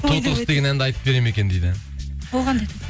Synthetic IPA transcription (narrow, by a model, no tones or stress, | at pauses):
ot̪əɾəsd̪e̞ɡʲenænd̪ɪɑjt̪əp̚bʲe̞ɾeme̞kʲed̪ejd̪ɪbolˠʁɑnd̪et̪